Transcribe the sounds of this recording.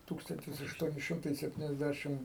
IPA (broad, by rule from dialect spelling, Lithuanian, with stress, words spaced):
ˈtuːkstɐnʲtʲɪs ɐʃˈtuɔnʲɪ ˈʃʲɪmtɐɪ sʲɛpʲtʲɪnʲɛzʲˈdʲæʃʲɪm